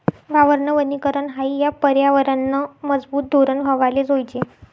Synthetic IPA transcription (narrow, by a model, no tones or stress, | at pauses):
ʋaʋəɾɳəʋənikəɾəɳɦaijapəɾjaʋəɾanːəməd͡zbuːt̪̚d̪ʱoɾənʋʱəʋaled͡zojt͡ɕe